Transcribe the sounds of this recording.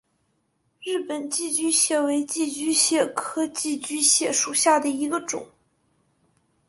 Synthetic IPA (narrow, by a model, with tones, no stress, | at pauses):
ɻɻ̩˥˩pə˨˩nt͡ɕi˥˩t͡ɕy˥ɕjɛ˥˩we˧˥ɪt͡ɕi˥˩t͡ɕy˥ɕjɛ˥˩kʰɤ˥t͡ɕi˥˩t͡ɕy˥ɕjɛ˥˩ʂu˨˩ɕja˥˩d̪ə˩i˧˥ɡə˧ʈ͡ʂʊ̰˨˩˦ŋ